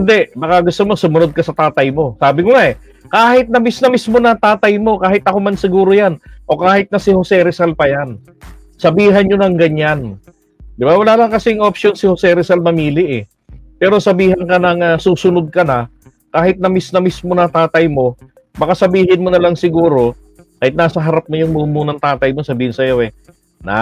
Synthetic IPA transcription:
nd̪ɛbɐkaɡʊst̪omosʊmʊnod̪̚kɐsɐt̪aːt̪ɐjmo̞saːbɪŋoŋaʔɛ | kaːhɪt̪̚nɐmisnɐmismo̞nɐt̪aːt̪ɐjmo̞kaːhɪt̪ɐko̞mansɪɡuːɾojanʔo̞kaːhɪt̪̚nɐsɪhosɛɾɛsalpɐjan | sɐbiːɦɐnɲonɐŋɡɐɲan | d̪ɪbawɐlaːlɐŋkɐsɪŋʔop̚ʃjo̞nsɪhosɛɾɪsalmɐmiːlɪʔɛ | pɛːɾo̞sɐbiːhɐnkɐnɐŋɐsuːsʊnod̪̚kɐnɐ | kaːhɪt̪̚nɐmisnɐmismo̞nɐt̪aːt̪ɐjmo̞ | bɐkasɐbiːhɪnmonɐlɐŋsɪɡuːɾo̞ | kaːhɪt̪naːsɐɦɐɾap̚mojʊŋmuːmuːnɐŋt̪aːt̪ɐjmosɐbiːhɪnsɐjo̞ʔɛ | na̰

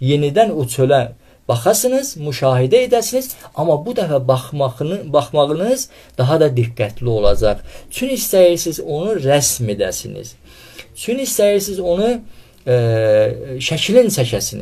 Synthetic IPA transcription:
je̞nid̪ænot͡ʃʰølæ | b̥ɑχɑsɯnɯz̥muʃɑːɦid̪æed̪æsinizɑmɑbud̪æfæb | bɑχmɑʁɯnɯz | d̪̥ɑɦɑd̪ɑd̪iɡːæt̪ʰlio̞lˠɑ̰d͡ʒɑʁt͡ʃʰynist̪æjiɾsizo̞nuɾæsme̞d̪æ̰sinḭz̥ | t͡ʃʰynist̪æjiɾsizo̞nu | ʃæcʰilint͡ʃʰæcʰæsinḭ

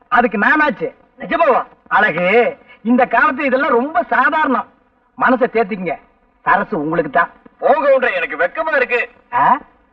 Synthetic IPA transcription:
ɐðɯkːɯnaːnaːt͡ʃːɯ | nɛd͡ʒɐpaːʋã̰ː | ɐlaːɣɯɪnd̪ɐkaːlɐt̪̬ːɯlɪðɛlːãːɾɔmbɐsaːðaːɾɐɳɐ̃ | mɐnɐs̬ɐt̪eːɾt̪̬ːɯk̬ʲːɯŋɡɐ | sɐɾɐsɯʊŋɡɐɭɯk̬ːɯt̪ːãːpoːŋɡɐʊndɾɐɛnɐk̬ːɯʋɛkːɐmaːɪɾɯk̬ːɯ | aː

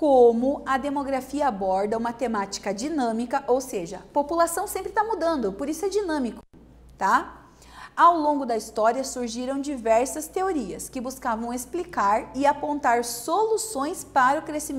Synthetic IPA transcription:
kõmʊɐd̪emoɡɾafiɐabɔɾd̪ɐũmɐt̪emat͡ʃi̥kɐd͡ʒinɐ̃mikɐʔowseʒɐpopulasɐ̃w̃sẽmpɾɪt̪amud̪ɐ̃nd̪ʊpoɾisʊɛd͡ʒinɐ̃mikʊ̥ | t̪a | awlõŋɡʊd̪ɐist̪ɔɾiɐsuɾʒiɾɐ̃w̃d͡ʒivɛɾsɐst̪eoɾiɐskɪbuskavɐ̃w̃esplikaɾɪapõnt̪aɾsolusõj̃spaɾɐʊkɾesimẽ

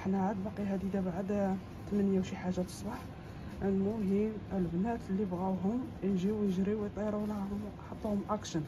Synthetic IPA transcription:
ħnæʕad̪bɑqiɦæd̪id̪æbaʕəd̪ | t̪əmənjæwʃiħaʒːat̪ə̥sˤbɑħ | lmʊɦiməlbnæt̪əlːibɣæwɦʊmjʒiwjəʒɾiwjt̪ˤiɾulʊmħət̪ˤːuhʊmʔækʃən

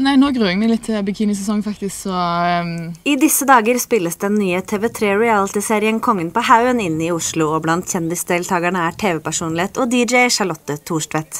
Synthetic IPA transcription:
næɪnoːɡʁʉːɛɡmɛlɪt̪ʰːɪbɛkʰiːnɪs̬ɛsɔŋːfɑkt̪ɪsksɔ | ɪd̪ɪsəd̪ɑːɡəɾspɪlːəsd̪ɛnːyːət̪ʰeːʋɛt̪ʰɾeːɹɛæːlɪt̪ɪseːɾɪənkʰɔŋːənpɔhaʉənɪnːɪʊʂɭʊɔblɑnt̪çɛnd̪ɪsd̪eːlt̪ʰɑːɡəɳəæːʈʰeːʋɛpæʂuːnlɪeːt̪ɔd̪iːd͡ʒɛɪʂɑɭɔt̪ːət̪ʰuːʂʈʋɛt̪

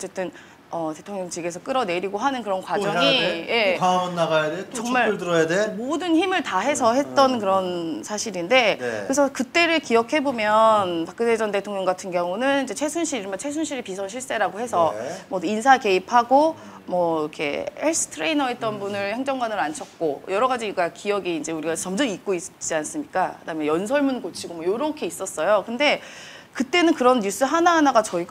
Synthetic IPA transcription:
ʌt͡ɕ͈e̞t͈ɯn | ʌte̞tʰoŋɲʌŋt͡ɕiɡe̞sʰʌk͈ɯɾʌne̞ɾiɡoɦanɯnkɯɾʌnkwad͡ʑʌŋije̞pamɯnːaɡajadet͡ɕʌŋmaɭɯɭt̬ɯɾʌjademodɯnçimɯɭtaɦe̞sʰʌɦe̞t̚t͈ʌnkɯɾʌnsʰaɕʰiɾinde̞kkɯɾesʰʌkɯt͈e̞ɾɯɭkijʌkʰe̞bomjʌnpak͈ɯded͡ʑʌnde̞tʰoŋjʌŋɡatʰɯnɡjʌŋunɯnid͡ʑe̞t͡ɕʰe̞sʰunɕʰiɾimʌt͡ɕʰe̞s̬ʰunɕʰiɾipisʰʌnɕʰiɭs͈e̞ɾaɡoɦe̞sʰʌmʌinsʰake̞ipʰaɡo | mʌkʰe̞̰eɭs͈ʰɯ̥tʰɯɾeinʌet̚t͈ʌnbunɯɭheŋd͡ʑʌŋɡwanɯɾant͡ɕʰʌt̚k͈ojʌɾʌɡad͡ʑiɡakijʌɡiːnd͡ʑe̞uɾiɡat͡ɕʌmd͡ʑʌmik̚k͈oit͡ɕ͈ians͈ɯmɲik͈akɯdaɦɯmjʌnjʌns̬ʰʌɭmunkot͡ɕʰiɡomwʌjoɾʌkʰe̞is͈ʌs͈ʌjokɯnde̞ | kɯt͈e̞nɯnkɯɾʌnːus͈ɯɦanaɦanaɡat͡ɕʌiɡ

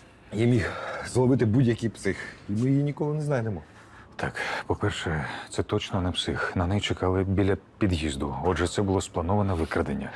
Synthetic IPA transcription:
jimʲixzlˠɔbɪt̪ɪbudʲjɐkʲijpsɪximɪjjinʲikɔlˠɪnɛznɑjnemɔ | t̪ʰɑkpɔpɛrʃɛt̪sɛt̪ɔt͡ʃnɔnɛpsɪxnɐnɛjt͡ʃekɑlˠɪbʲilʲɐpʲid̪jizd̪ʊɔʒɛt̪sɛbʊlˠɔsplˠɐnɔʋɐnɛʋɪkɾɐd̪enʲːɐ

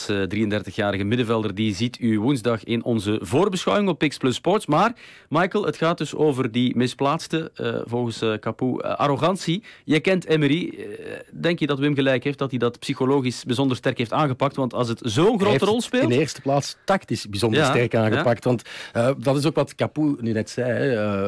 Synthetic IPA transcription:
ədriːəndɛrtəxjaːɾəɣəmɪdəvɛlˠdərdizitʰyʋunzdɑxɪnɔnzəvoːrbəsxœwɪŋɔpːɪksplɵspɔrtsmaːrmɑjkəlˠətxaːt̚dɵso̰ːvərdimɪsplaːtstəə̰vɔlˠɣənskapṵʔa̰ɾoɣɑnsijəkɛntɛməɾi | dɛŋkjədɑtəmɣəlɛjkɦeːft̚dɑtidɑtpsixoloːɣisbizɔndərstɛrkɦeːftaːnɣəpɑk̚tʋɑntɑlˠs̬ətzoːənxroːtərɔlˠspeːnlndəeːrstə̥plaːtstɑktɪsbizɔnjdrastɛrkaːnɣəpɑktʋɑntədɑtɪsoːkʋɑtkapunynɛtsɛjɛ

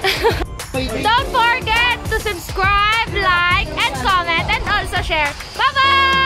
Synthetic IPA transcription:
d̪õʊ̃nt̪fɔɹɡɛt̪ːʊsʊbskɹajblajkʔɛ̃nd̪̚kɔmɛ̃nt̪ɛ̃nd̪ɔːlsoʃɛɹ | baba

